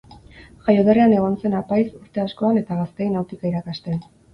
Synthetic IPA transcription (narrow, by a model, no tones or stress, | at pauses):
ʝajoðereane̞ɣonse̞napajsuɾt̪e̞asko̞ane̞t̪aɣast̪ejnawt̪ikaiɾakast̪e̞n